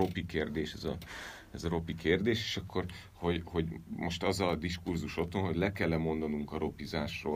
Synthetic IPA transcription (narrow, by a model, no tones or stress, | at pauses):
o̞pikeːrd̪eːʃɛzɒ̰ | ɛzɒɾo̞pikeːrd̪eːʃe̥ːʃɒkːo̞r | ho̞ɟho̞ɟmo̞ʃt̪ɒzɒd̪iʃkurzuʃo̞t̪ho̞nɦo̞ɟlɛkɛlːɛmo̞nd̪ɒnuŋkɒɾo̞pizaːʃroː